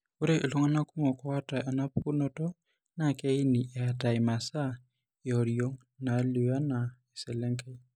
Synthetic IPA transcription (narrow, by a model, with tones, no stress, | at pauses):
ʊ˦ɾe˦ʔɪ˨lo˦ŋa˦na˦ku˦mɔ˨kɔ˦a˦tʼa˨ʔa˨na˦pʰu˦nɔ˦tɔ˦ | na˨kɛ˦i˦ni˨ʔɪ˨a˨ta˨ɪma˨sa˦ | jɔ˨ɾijo˦ŋ | na˨li˨wa˦na˨ɛ˨sɛ˨lɛ˦ŋka˦i˦